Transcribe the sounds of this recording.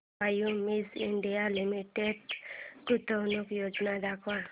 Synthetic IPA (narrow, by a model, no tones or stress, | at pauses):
ajumisiɳɖijalimiʈeɖkut̪ɔnukjod͡ʒnad̪akwa